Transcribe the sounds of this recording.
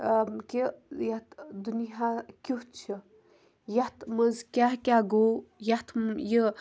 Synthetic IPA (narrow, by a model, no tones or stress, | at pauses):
kijɐt̪d̪unijakʲuɦt͡ʃʰi | jɐt̪ʰmɐzkʲaɦkʲaɡojat̪ʰjə